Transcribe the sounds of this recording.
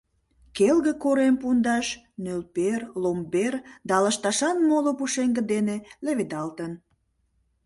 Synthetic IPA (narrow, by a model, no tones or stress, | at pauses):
kelɣə̆koɾempund̪ɑʃ | nølperlomberd̪ɑləʃt̪ɑʃɑnmolopuʃeŋɡə̆d̪eneleβed̪ɑlt̪ən